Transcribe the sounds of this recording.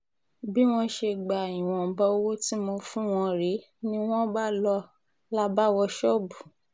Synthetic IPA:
bi˦w̃ɔ̃˧ʃe˧ɡ͡ba˨i˨w̃ɔ̃˨bɔ˧o˦wo˦ti˦mo˧fũ˦w̃ɔ̃˧ɾe˨˦ | nĩ˦w̃ɔ̃˦ba˦lɔ˧ | la˦ba˦wɔ˧ʃɔ˦bu˨

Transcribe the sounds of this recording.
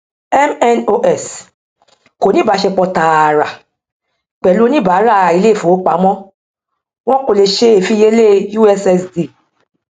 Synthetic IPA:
ɛ˦mɛ˦no˧ʔɛ˨s | ko˨nĩ˦ba˨˦ʃe˧k͡pɔ˧ta˨ɾa˨ | k͡pɛ˨lu˨˦nĩ˦ba˨˦ɾa˦˨i˨˧˦le˦˨fo˨˦k͡pa˨˦mɔ̃˦ | w̃ɔ̃˦ko˧le˧ʃe˦e˨fi˦je˦le˦˨ju˦ɛ˧sɛ˧sdi˨

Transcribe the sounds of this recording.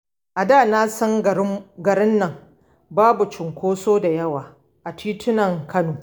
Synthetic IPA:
ʔa˨daː˦˨na˦sɐ˦ŋɡɐ˨ɾɪ˦nːɐ˨ŋ | baː˦bu˨t͡ʃɪ˨ŋkʷoː˦soː˦da˨jɐ˦waː˨ | ʔa˨tʰiː˦tʰɪ˦nɐ˨ŋkʰɐ˦noː˨

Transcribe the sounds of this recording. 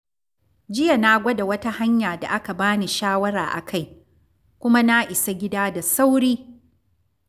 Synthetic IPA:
d͡ʒɪ˦ja˨na˦ɡʷɐ˦da˨wɐ˦ta˦ha˦ɲjaː˨da̰˨ʔa˦ka˨baː˦ni˨ʃaː˦wɐ˦ɾaː˨ʔa̰˨kʰa˦j | kʷʊ˦ma˦na˦ʔɪ˨sa˦ɡʲɪ˦daː˦da˨sa˦wɽiː˦

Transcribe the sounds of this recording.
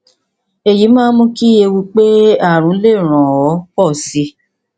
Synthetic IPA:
e˨ji˨˦mãː˦mũ˦ki˦e˧wi˧k͡pe˦a˦˨ɾ̃ũ˨˦le˦˨ɾ̃ã˨ɔ˨˦kɔ˦˨si˧˦

